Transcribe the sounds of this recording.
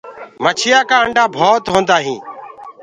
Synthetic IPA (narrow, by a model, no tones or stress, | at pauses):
mət͡ʃʰɪjaːkaːəɳɖaːbʱoːt̪ɦõːnd̪aːɦĩː